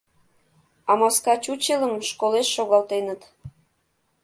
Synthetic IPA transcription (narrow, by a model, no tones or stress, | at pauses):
ɑmɑskɑt͡ɕut͡ɕeləmʃkoleʃːoɣɑlt̪enət̪